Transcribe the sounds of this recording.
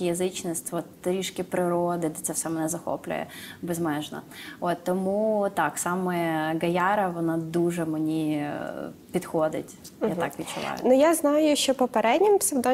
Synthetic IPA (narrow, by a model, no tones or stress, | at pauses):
jɐzɨt͡ɕnɐsʲtʲʋot̪ɾʲiʂkʲɪpɾɪɾod̪ɨd̪ʲɐt͡s̪ʲɛfsʲɛmɐnɛzɐxo̰plʲʊ̰jɛ̰bɛzmɛʐnɐ̰vott̪ːɐmut̪aksaməjəɡɐjaɾɐvɐnad̪uʐɛmɨnʲi | pʲɪt̪xod̪ʲɪ̰tʲ | jaa̰kʋʲɪt̪ʲt͡ʃʊlˠa̰jʊ̰nʊjaznajʊʃt͡ʃɔpɔpɛɾɛdʲnʲɪmpsʲɪwd̪ɔ